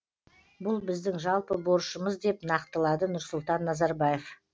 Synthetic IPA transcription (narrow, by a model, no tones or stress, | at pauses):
bʊlˠbɪzd̪ɪŋʒɑlˠpəbo̞ɾʃəməzd̪e̞pnɑqt̪əlˠɑd̪ənʊɾsʊlˠt̪ɑnːɑzɑɾbɑjef